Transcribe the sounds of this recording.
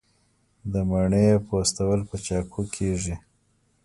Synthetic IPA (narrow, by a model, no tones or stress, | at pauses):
d̪əmaɳəjepost̪awəlpət͡ʃɑkʰokʰeʐi